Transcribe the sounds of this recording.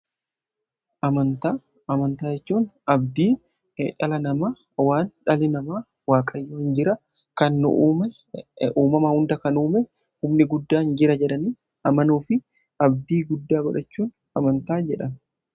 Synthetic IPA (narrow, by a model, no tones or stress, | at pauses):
ʔɐmɐnt̪aː | ʔɐmɐnt̪aːd͡ʒɛt͡ʃːuːnɐbd̪iː | ᶑɐlɐnɐmaː | waːnᶑɐlɪnɐmaː | waːkʼɐjːoːhɪnd͡ʒɪɾɐ | kɐnːʊ̰ʔuːmɛ | uːmɐmɐhʊnd̪ɐkɐnuːmɛ | hʊmnɪɡʊd̪ːaːɪnd͡ʒɪɾɐd͡ʒɛᶑɐniː | ʔɐmɐnuːfɪ | ɐb̚d̪iːɡʊd̪ːaːɡɔᶑɐt͡ʃːuːn | ɐmɐnt̪aːd͡ʒɛᶑɐn